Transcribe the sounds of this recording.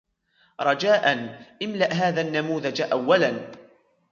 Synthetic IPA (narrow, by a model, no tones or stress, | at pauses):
ɾˤɑd͡ʒaːʔanʔɪmlaʔɦaːðaːnːamuːðad͡ʒʔawːalan